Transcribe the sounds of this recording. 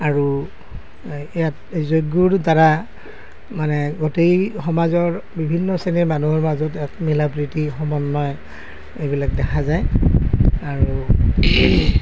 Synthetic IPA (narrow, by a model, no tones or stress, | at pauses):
aɹu | ejat | zojɡuɹtaɹa | manɛɡotejxɔmazɔɹbibʱinːɔseniɹmanuɦɔɹmazɔtatmilabɹitixɔmɔnːɔj | ejbilakdɛkʰazaj | aɹu